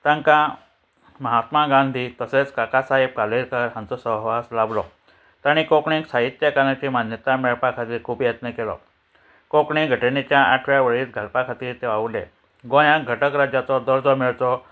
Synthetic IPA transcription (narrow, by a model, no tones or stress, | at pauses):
t̪ãŋkã | məɦat̪maɡãnd̪ʱiːt̪əset͡skakasaɦib̚kaliɾkəɾɦãnt͡sɔsəɦʋaslablɔ | t̪aɽ̃ikokɳĩksaɦit̪jakanat͡ɕimanjət̪amɛɭpakʰat̪iːɾkʰuːbjət̪nəkelɔ̰ | kokɳĩɡʱəʈenet͡ɕjaaʈʰʋjaʋəɭiːt̪ɡʱəlpakʰat̪iːɾt̪eʋaʋlḛ | ɡõj̃ãɡʱəʈəkɾad͡ʑjat͡sɔd̪əɾd͡zɔmɛɭt͡sɔ